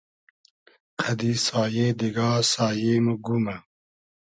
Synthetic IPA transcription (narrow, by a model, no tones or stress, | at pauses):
qʰɐd̪isaːjeːd̪iɡaːsaːjemuɡumɐ